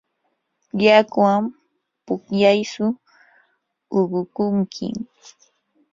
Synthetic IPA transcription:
ʎakwam | pʊkʎajsʊ | ʊɢʊkʊŋkʰɪ̰

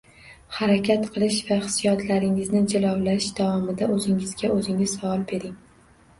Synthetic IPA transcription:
haɾakʲʰat̪qʰɨlˠɪʃvaχɨ̥sijɒt̪ʰlaɾɪŋɪznɪd͡ʒɪlˠɒwlaɪʃd̪̥avɒmɪd̪aʔɵzɪŋɪzɡʲaɵzɪŋɪz̥savɒlˠbe̞ɾɪŋ

